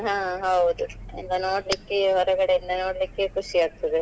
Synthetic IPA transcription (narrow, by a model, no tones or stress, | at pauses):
ɦãːɦɐwd̪uḭnd̪ɐnoːɽlikːeɦɔɾɐɡɐɽeind̪ɐnoːɽlikːekuʂijaːɡt̪ːɐd̪ɯ